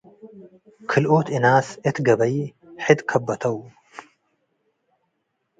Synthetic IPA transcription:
kʰɨlʔot̪ɨnaːsʔɨt̪ɡɐbɐj | ħɨd̪kʰɐbːɐt̪ʰɐw

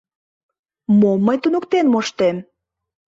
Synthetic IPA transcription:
momːəjt̪unokt̪enmoʃt̪em

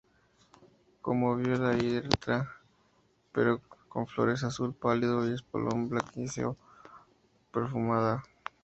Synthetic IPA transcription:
ko̰moβjolaeɾt̪ɾa | peɾoko̞̰ɱflo̞̰ɾe̞s̬asulpaliðojespo̰lʔomblakisḛo | peɾfumaða

